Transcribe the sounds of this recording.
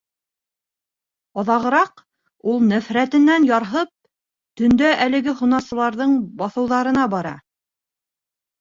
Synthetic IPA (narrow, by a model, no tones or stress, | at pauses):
ɑðɑʁɤ̆ɾɑq | ulˠnæfɾæt̪ɘ̆nːænjɑɾɦɤp̚ | t̪ɵ̆nd̪æʔælɘ̆ɡɘɦunɑsɤ̆lˠɑɾðɤɴbɑθɤ̆wðɑɾɤ̆nɑbɑɾɑ̰